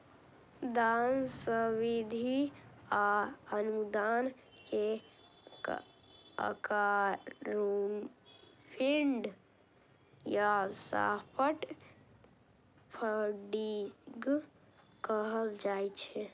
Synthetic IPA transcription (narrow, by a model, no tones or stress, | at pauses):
d̪ansəwid̪ʱiaənud̪an | ke | ə̰kaɾun | pʰiɳɖ | jasa̰pʰəʈ | pʰəɖiɡ | kəɦəld͡ʒajt͡ʃʰɛ